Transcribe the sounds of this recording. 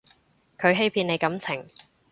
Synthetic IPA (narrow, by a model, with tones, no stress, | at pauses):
kʰɵ˨˧ɥɦe˥jpʰiː˧ne˨˧jkɐ˨˥mt͡sʰɪ˨˩ŋ